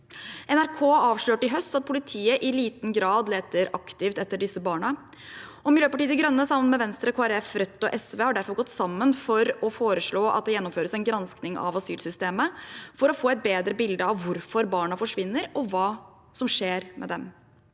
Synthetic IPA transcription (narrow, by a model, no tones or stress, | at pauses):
ɛnæɾkʰoːɑːʋʂɭøːʈɪɦœst̪ɑt̪̚pʰʊlɪt̪ʰiːəʔɪliːt̪n̩ɡɾɑːd̪leːt̪əɾɑkt̪ɪft̪ɛt̪ːəɖɪsːəbɑːɳə | ɔmɪljøːpɑʈiːəd̪ɡɾœnːəsɑmːənmɛʋɛnst̪ɾəkʰoːæɾɛfɾœt̪ːɔʔɛsʋeːhɑɖæɾfɔɾɡɔt̪ːsɑmːənfɔɾɔfoːɾəʂɭoːʔɑ̰t̪̚d̪ɛjɛnːɔmføːɾəsæɪnɡɾɑnsknɪŋɑ̰ʋɑsyːlsʏst̪eːməfɔɾɔfoːɛt̪̚beːd̪ɾəbɪld̪əɑʋʋʊɾfɔɾbɑːɳɑfɔʂʋɪnːəɾɔʋɑː | sɔmʂeːɾmʔɛ̰d̪ɛm